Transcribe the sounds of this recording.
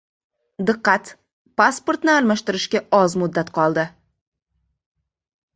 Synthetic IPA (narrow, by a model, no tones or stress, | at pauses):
d̪ɨqːɑt̪ | paspoɾt̪nɪaɾmaʃt̪ɪɾɪʃkʲaɒzmʊd̪ːat̪qʰɒlˠd̪ɪ